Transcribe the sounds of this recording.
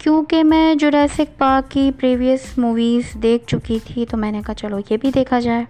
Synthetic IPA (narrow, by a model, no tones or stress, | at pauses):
kjõːkemɛ̃d͡ʒʊɾɛːsɪk̚paːɾkːipɾiːʋijəsmuːʋiːzd̪eːkʰt͡ʃʊkit̪ʰit̪omɛ̃ːnekaɦat͡ʃɐlojebʱid̪eːkʰad͡ʒaːe